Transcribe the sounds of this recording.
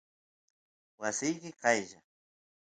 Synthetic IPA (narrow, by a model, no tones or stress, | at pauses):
wasɪjkɪqɑjʒa̰